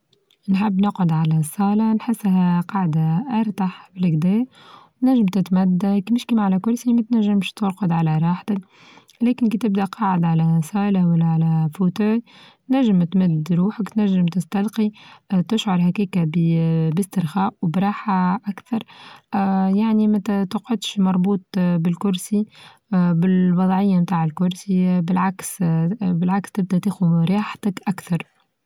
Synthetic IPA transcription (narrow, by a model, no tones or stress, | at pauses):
nħɪbːnʊqʕʊd̪ʕalæsˤɑːlanħɪsːɦæqɑʕd̪aʔɑɾˤt̪aħbɪlkd̪ɛː | t̪næʒːɪmt̪ɪt̪mæd̪ːakmɪʃkiːmʕalækʊɾsimæt̪næʒːɪmʃt̪ʊɾqʊd̪ʕalæɾˤɑːħt̪ɪk | lɛːkɪnkiːt̪ɪb̚d̪æʔqɑːʕɪd̪ʕalæsˤɑːlawalːæʕalæfut̪uːlt̪næʒːɪmt̪mɪd̪ɾuːħəkt̪næʒːɪmt̪ɪst̪ɑlqit̪ɪʃʕɑɾˤɦækiːkabbɪst̪ɪɾxaːʔwbɾˤɑːħaʔakθɑɾˤ | jaʕnimæt̪t̪ʊqʕʊd̪ʃmɑɾˤbuːt̪ˤbɪlkʊɾsi | bɪlwɑðˤʕɪjːamt̪aːʕɪlkʊɾsibɪlʕaksbɪlʕakst̪ɪb̚d̪æt̪eːxuɾjɑːħt̪ɪkʔakθɑɾˤ